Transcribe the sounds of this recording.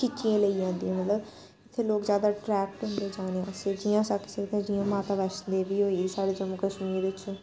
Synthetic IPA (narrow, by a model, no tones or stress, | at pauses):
t͡ʃɪt͡ʃːiãːləid͡ʒãːnd̪iɛ̃ːmət̪ləb | ɪt̪ʰːeːloːkzjaːd̪aːʈɾɛːk̚ʈɦʊ̃nd̪eːd͡ʒaːneãsed͡ʒijãːsakːsekt̪ẽd͡ʒijãːmaːt̪aːʋɛːt͡ʃnd̪eʋiːɦoːisaːɽeːd͡ʒəmoːkəʃmiːʋɪt͡ʃ